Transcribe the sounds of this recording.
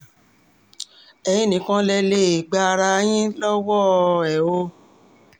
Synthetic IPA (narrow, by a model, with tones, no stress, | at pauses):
ɛ˨j̃ĩ˦nĩ˨kã˦lɛ˧le˦˨i˨ɡ͡ba˧ɾa˧˦j̃ĩ˦lɔ˦wɔ˦ɛ˨o˧˦